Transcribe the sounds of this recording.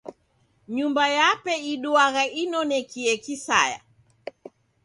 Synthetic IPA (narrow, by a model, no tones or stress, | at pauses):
ɲumbajapɛiɗuaɣainɔnɛkiɛkisa̰ja̰